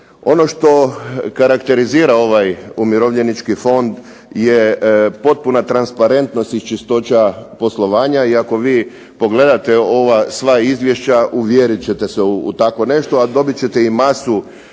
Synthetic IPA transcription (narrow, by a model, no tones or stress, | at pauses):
o̞no̞ʃt̪o̞kaɾakt̪e̞ɾiziːɾao̞ʋajumiɾoʋʎenit͡ʃkifo̞nd̪ | jepo̞t̪̚punat̪ɾanspaɾe̞nt̪no̞st̪ist͡ʃist̪o̞t͡ɕapo̞slˠo̞ʋaːɲaiako̞ʋiː | po̞ɡle̞d̪at̪e̞o̞ʋasʋaizʋje̞ʃt͡ɕaʔuʋjeɾit͡ɕe̞t̪e̞seṵːt̪ako̞ne̞ʃt̪o̞ad̪o̞bit͡ɕe̞t̪e̞imasu